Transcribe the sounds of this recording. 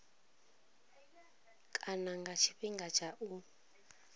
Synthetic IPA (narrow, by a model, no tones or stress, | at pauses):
kʼanaŋɡat͡ʃʰiɸiŋɡat͡ʃʰaʔu